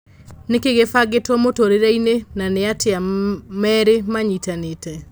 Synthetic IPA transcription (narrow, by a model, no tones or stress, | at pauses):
nekeɣefaɡetɔmotoɾeɾainenaneateamɛɾemaɲitanetɛ